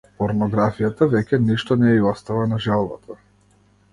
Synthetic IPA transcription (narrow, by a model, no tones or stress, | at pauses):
pɔɾnɔɡɾafijat̪avɛcʲɛniʃt̪ɔnɛiɔst̪avanaʒɛlˠba̰t̪ʰa